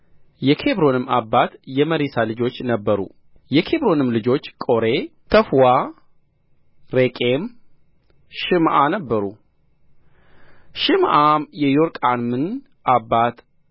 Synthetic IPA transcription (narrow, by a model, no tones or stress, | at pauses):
jɛkʰe̞bɾo̞nɨmabːat̪jɛməɾisalɨd͡ʒo̞t͡ʃːnəbːəɾṵ | jɛkʰe̞bɾo̞nɨmlɨd͡ʒo̞t͡ʃːkʼo̞ɾe̞t̪ʰəfwa | ɾekʼe̞m | ʃɨmʔanəbːəɾṵ | ʃɨmʔamjɛjoɾkʼanmɨn | ʔabːat̪